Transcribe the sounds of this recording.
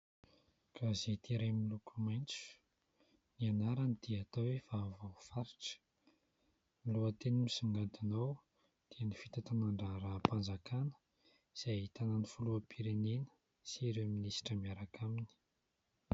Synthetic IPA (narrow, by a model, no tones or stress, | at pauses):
kazet̪iɾemilukumajnt͡su̥ | nianaɾanid̪̥iat̪owefavafaɾiʈ͡ʂə̥ | miluət̪enimisiŋɡant̪inaw | d̪̥iənifit̪at̪anaɳɖ͡ʐaɾapand͡zakanə̥ | z̥ejt̪ananifuluapʰiɾenenə̥ | siɾeminisi̥ʈ͡ʂəmiaɾakʰamini̥